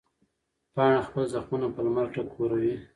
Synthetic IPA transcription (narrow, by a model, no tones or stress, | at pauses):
pɑɳaxpəlzaxmunapəlmalʈakʰoɾawi